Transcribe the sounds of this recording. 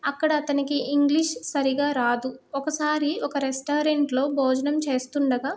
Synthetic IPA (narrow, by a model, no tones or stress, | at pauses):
ɐkːɐɽɐːt̪ɐnikiʔiŋɡliʂsɐɾiɡaːɾaːd̪uɔkɐsaːɾiɔkɐɾesʈaːɾeɳʈlo̞ːbʱoːd͡ʒɐnɐmt͡ʃe̞ːst̪uɳɖɐɡaː